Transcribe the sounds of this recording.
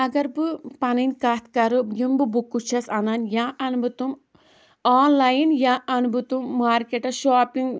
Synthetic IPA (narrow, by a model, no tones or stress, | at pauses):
ɐɡɐɾbɨpɐnɐnʲkat̪kɐɾɨbjimbɨbukːut͡ʃʰɐsɐnanjaːʔɐnbɨt̪um | aːnlajinjaːʔɐnbɨt̪umːaːɾkeʈɐʃaːpiŋɡ